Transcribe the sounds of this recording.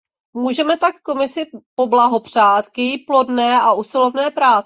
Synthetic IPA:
muːʒɛmɛt̪akko̞mɪsɪpo̞blaɦo̞pr̝̥aːt̪kjɛjplo̞dnɛːʔaʔusɪlo̞vnɛːpɾaːt͡sɛ

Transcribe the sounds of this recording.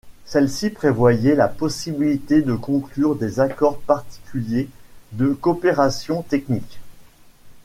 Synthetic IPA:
sɛlsipχevwajɛlapɔsibilit̪ed̪əkɔ̃klyʁd̪ezakɔʁpaʁt̪i̥kʲyljed̪əkɔpeʁasjɔ̃t̪ɛknikʲ

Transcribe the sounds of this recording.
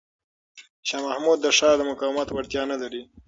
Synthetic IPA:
ʃɑmahmud̪ːəʂɑd̪əmʊkɑwmat̪waɽt̪jɑnalaɾi

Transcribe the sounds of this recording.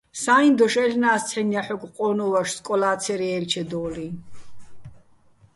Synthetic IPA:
saːind̪ɔʃɛlnaːst͡sʰɛnjaħɔɡqʼɔːnɔvaʃskʼɔlaːt̪sʰɛɾiɛlt͡ʃʰɛd̪ɔːli

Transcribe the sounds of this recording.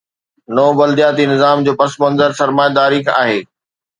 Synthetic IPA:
nɔːbɐld̪ijaːt̪inɪzaːmd͡ʑoːpɐsmɐ̃nzəɾsɐɾmaːjad̪aːɾika̰ːɦeː

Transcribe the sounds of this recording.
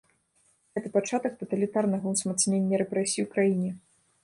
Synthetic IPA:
ɣɛt̪ɨpat͡ʂat̪ɐk̚t̪ɐt̪ɐlʲit̪arnɐɣɐwsmat̪snʲenʲːɐɾɛpɾɛsʲiwkɾajinʲɛ

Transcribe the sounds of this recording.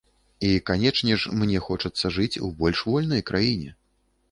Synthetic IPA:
ikanʲɛt͡ʂnʲɛʂmnʲɛxɔt͡ʂɐt̪sːɐʐɨt͡sʲṵbɔlʲʂvɔlʲnɐjkɾʔajinʲɛ

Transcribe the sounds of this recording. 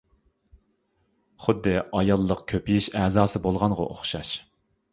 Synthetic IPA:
χʊd̪ːɨʔɑjɑlˠːəqkʲʰøpijiʃɛːzɑːsɨbolˠʁɑnʁɑ̰ʔo̰χʃɑʃ

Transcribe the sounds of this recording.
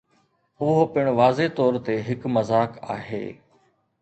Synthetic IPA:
ʊɦopɪɽ̃ʋaːzet̪ɔːɾt̪eɦɪkmɐzaːka̰ːɦḛː

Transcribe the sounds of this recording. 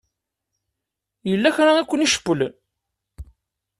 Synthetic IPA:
jəlːæçɾaækʷːəniʃə̥pːəl

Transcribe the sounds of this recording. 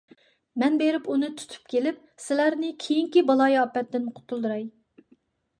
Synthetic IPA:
mɛnbeɾɪpunɨt̪ʰu̥t̪ʰu̥p̚kʲʰelɪp̚ | sɪlæɾnɪkʲʰejiŋkʲibɑlˠɑjɑpːɛt̪ːɪnqʰʊ̥t̪ʰulˠd̪ɨɾɑj

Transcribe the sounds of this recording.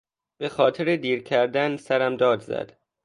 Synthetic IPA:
b̥e̞xɒːt̪ʰeɾed̪iːɾcʰæɾd̪ænsæɾæmd̪ɒːd̪zæ̰d̪̥

